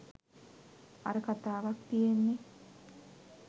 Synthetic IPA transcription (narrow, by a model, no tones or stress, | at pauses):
a̰ɾəkat̪aːʋakt̪ijenːe